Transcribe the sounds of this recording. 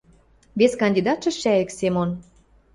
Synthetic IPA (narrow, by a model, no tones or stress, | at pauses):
βeskɑnd̪id̪ɑt̪ʃɤ̆ʃæeksemon